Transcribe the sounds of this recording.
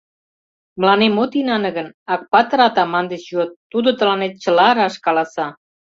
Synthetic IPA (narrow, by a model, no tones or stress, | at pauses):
mə̆lɑnemot̪inɑnə̆ɣənɑk̚pɑt̪ə̆ɾɑt̪ɑmɑnd̪et͡ɕjot̪ːud̪ot̪ə̆lɑnet̪̚t͡ɕə̆lɑɾɑʃkɑlɑsɑ